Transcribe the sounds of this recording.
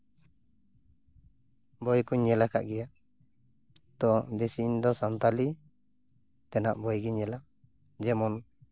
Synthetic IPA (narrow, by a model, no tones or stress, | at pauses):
bɔjkuɲːɛlaka̰ʔɡɛjaʔ | t̪ɔbɛsind̪ɔsant̪ali | t̪ɛnaʔbɔjɡiɲɛla | d͡ʒɛmɔn